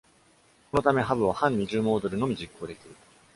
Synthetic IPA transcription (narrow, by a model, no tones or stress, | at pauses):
ko̞no̞t̪ame̞ɦabɯ̟β̞ahãɲ̟ːiʑɨːmo̞ːd̪o̞ɾɯ̟no̞mʲiʑikːo̞ːd̪e̞kʲiɾɯ